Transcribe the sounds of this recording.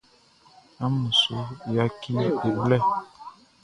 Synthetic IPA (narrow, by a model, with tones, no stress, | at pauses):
a˦mu˨so˦ja˦ki˦ni˦de˨blɛ˦